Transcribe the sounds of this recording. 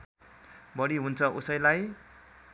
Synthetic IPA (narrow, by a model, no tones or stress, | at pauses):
bʌɽiɦunt͡sʰʌʔusʌjlaj